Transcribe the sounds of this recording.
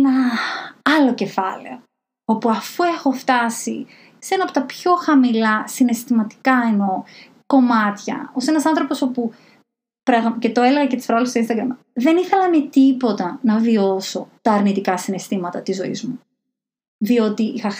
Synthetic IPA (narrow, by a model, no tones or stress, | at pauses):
nɐ | ɐlo̞ce̞fɐlḛo | o̞puɐfue̞xo̞ft̪ɐsḭ | se̞nɐpo̞t̪ɐpço̞xɐmilɐsine̞st̪imɐt̪i̥kɐeno̞ | ko̞mɐt̪çɐ̰o̞se̞nɐsɐnθɾo̞po̞sopu | pɾɐɣmcet̪o̞e̞leɣɐcet̪i̥sfɾoɣɐlst̪oinst̪ɐɡɾɐm | ðe̞niθe̞lɐmet̪ipo̞t̪ɐnɐvio̞so̞t̪ɐːɾnit̪ikɐsinest̪imɐt̪ɐt̪izo̞ḭzmu | ðio̞t̪iixɐ